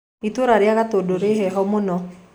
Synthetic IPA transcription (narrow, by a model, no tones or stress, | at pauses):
it̪woɾaɾjaɣat̪odoɾeɦɛɦɔmonɔ